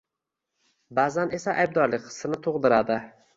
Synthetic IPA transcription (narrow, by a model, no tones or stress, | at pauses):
bazane̞saʔajb̚d̪ɒɾlɪk̚ʲqʰɨ̥sːɨnɪt̪ʰoʁd̪ɪɾad̪ɪ